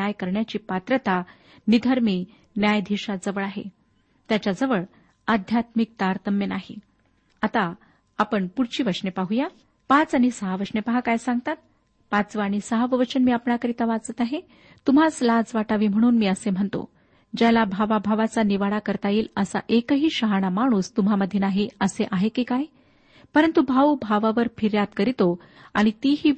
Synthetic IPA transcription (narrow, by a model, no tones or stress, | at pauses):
ajkəɾɳjat͡ɕiːpat̪ɾət̪a | nid̪ʱəɾmiː | njajd̪ʱiɕad͡zəʋəɭaɦḛ | t̪jat͡ɕad͡zəʋəɭ | ad̪ʱjat̪mik̚t̪aɾt̪əmjənaɦḭ | at̪aː | pəɳpuɽt͡ɕiːʋəʂnepaɦuja | pãt͡saɽ̃isəɦaʋəʂnepaɦakajsãŋɡ̚t̪at̪̚ | pãt͡sʋaɽ̃isəɦaʋəʋət͡ɕənmiːapɳakəɾit̪aʋat͡sət̪aɦe | t̪um̤ad͡zlad͡zʋaʈaʋiːm̤əɽ̃uːnmiːəsem̤əɳt̪o̰ | d͡ʑalabʱaʋabʱaʋat͡saniʋaɽakəɾt̪ajiːləsa̰ʔekəɦiːɕəɦaɽ̃amaɽ̃uːst̪um̤aməd̪ʱjenaɦiəseʔaɦekiːkaj | pəɾənt̪ubʱaubʱaʋaʋəɾfʰiɾjat̪kəɾit̪o | aɽ̃it̪iɦiː